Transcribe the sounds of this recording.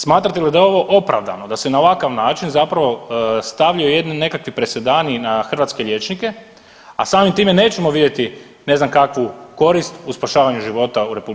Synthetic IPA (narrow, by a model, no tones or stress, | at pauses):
smaːt̪ɾat̪elid̪ajeo̞ʋo̞ʔo̞pɾa̰ʋd̪a̰nod̪ase̞nao̞ʋakaʋnaːt͡ʃinzapɾaʋo̞st̪aʋʎajojed̪nine̞kakʋipɾese̞d̪aːninaxr̩ʋat̪skeʎʲe̞t͡ʃnike̞ | a̰saːmimt̪iːme̞ne̞ːt͡ɕemo̞ʋid̪je̞t̪i | ne̞znamkakʋuko̞ɾist̪uspaʃaːʋaɲuʒiʋo̞t̪auɾe̞publ